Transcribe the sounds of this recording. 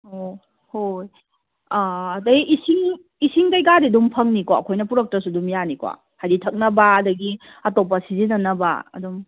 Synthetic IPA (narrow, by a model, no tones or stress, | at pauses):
o | hoj | aːdɐjisiŋ | isiŋtajkadedumpʰɐŋnikwaɐkʰojnɐpuɾɐk̚tɐsudumjanikwa̰ | hajɾitʰɐk̚nɐbaɐdɐɡi | ɐtɔp̬ːɐsizinɐnɐba̰ɐ̰dum